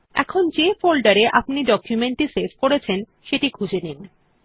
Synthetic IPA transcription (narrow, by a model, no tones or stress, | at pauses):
ɛ̰kʰond͡ʑefolɖaɾeʔapniɖɔkjumeɳʈiseɾfkoɾet͡ɕʰen | ʃeʈikud͡ʑenin